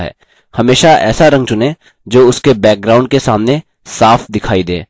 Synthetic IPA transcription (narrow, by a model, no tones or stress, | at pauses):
ɦɛ̰ː | hɐmeːʃaɛ̰ːsaɾɐ̃ŋɡ̚t͡ʃʊnẽ | d͡ʒoːʊskebɛːk̚ɡɾaːʊ̃ɳɖ̚kesaːmne | saːfʰd̪ɪkʰaːid̪ḛ̃ː